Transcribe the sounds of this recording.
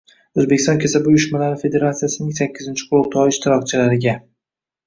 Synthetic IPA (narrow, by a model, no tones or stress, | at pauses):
ɵzbe̞kʲɪ̥st̪ɒnkʲʰesabujʊʃmalaɾɪfe̞d̪e̞ɾat̪sijasɪnɪŋsakʲːɪzɪnt͡ʃʰɪ̥qʰʊlʊl̚t̪ʰɒɪʃt̪ʰɪɾɒkt͡ʃʰɪlaɾɪɡʲa